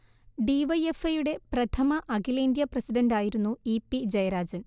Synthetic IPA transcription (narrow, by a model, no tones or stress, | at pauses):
ɖiʋɐjefɐjuɽe̞prɐt̪ʰɐmɐʔɐɡilɐind̪jɐprɐsiɖɐnɖaːjiɾunːuipːid͡ʑɐjɐɾaːd͡ʑɐn